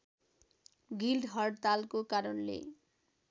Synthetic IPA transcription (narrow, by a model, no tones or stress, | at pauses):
ɡilɖɦɔɖt̪alkokaɾonlḛ